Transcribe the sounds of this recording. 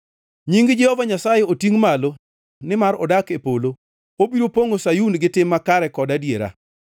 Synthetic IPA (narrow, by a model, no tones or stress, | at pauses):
ɲiŋɡd͡ʒɛhɔvaɲasajeotiŋmalo | nɪmaɾɔ̰dakepolo | obiɾopoŋosajunɡɪtɪmːakaɾɛkɔdadjeɾa̰